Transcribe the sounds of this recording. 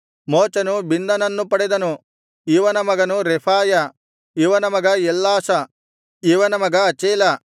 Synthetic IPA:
moːt͡ʃɐnubind̪ɐnɐnːupɐɽed̪ɐnu | iʋɐnɐmɐɡɐnuɾepʰaːjɐ | iʋɐnɐmɐɡɐjɛlːaːsɐ | iʋɐnɐmɐɡɐːt͡ʃeːlɐ

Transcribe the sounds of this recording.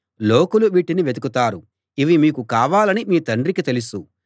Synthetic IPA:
loːkuluʋiʈːiniʋe̞d̪ukut̪aːɾu | iʋimiːkukaːʋaːlɐnimiːt̪ɐɳɖɾikit̪e̞lusu

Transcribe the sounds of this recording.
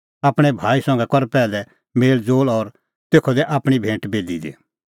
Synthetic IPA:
aːpɽ̃ɛbʱaːisɐ̃ŋɡɛkɔɾpɛːlɛ | meːld͡zoːlɔːɾ | t̪eːkʰɔd̪ɛʔaːpɽ̃ibʱẽːʈbeːd̪id̪ḛː

